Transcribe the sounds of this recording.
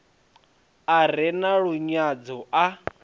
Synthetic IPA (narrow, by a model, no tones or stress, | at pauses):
aɾ̤ɛnaɺuɲad͡zɔʔa